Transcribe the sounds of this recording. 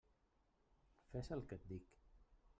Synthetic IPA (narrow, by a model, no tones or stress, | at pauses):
fɛsəlˠkət̪̚d̪ik